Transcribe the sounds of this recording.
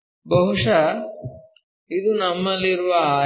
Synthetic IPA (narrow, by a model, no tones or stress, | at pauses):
bɐɦuʂɐ | id̪unɐmːɐlːiɾuʋɐː